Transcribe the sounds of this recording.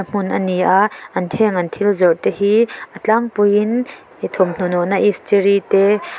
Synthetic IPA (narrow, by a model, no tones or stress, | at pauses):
əm̥ʊnʔəniʔaʔːɐnt̪ʰɛŋɐnt̪ʰilzɔʔt̪ɛɦiʔət͡ɬaŋpujin | t̪ʰɔmn̥ɔnɔnaʔistiɾit̪ɛ